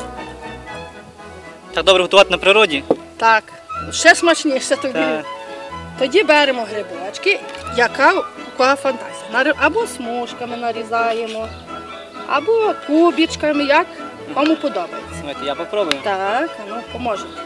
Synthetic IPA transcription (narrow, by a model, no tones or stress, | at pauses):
t̪ɑɡ̚d̪ɔbɾɛɦɔt̪ʊʋɑt̪ɪnɐpɾɪɾɔdʲi | t̪ɑk | ʃɛsmɐt͡ʃnʲiʃɛt̪ɔd̪i | t̪ɔdʲibɛɾemɔɦɾebʊlɑt͡ʃkɪjɐkɑkɐkɔafɐnt̪ɑzʲijɐnɐɾʔɐbɔsmuʃkɐmɪnɐɾʲizɑjemɔ | ɐ̰bɔkubʲit͡ʃkɐmɪjɐk | ɔmʊpɔd̪ɔbɐjet͡sʲːɐajt̪ɛjapɔpɾɔbʊjʊt̪ɑkɐnupɔmɔʒet̪